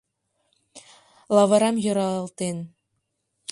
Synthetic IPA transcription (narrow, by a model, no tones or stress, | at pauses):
lˠɑʋɤɾɑmjɤ̆ɾɑlˠt̪en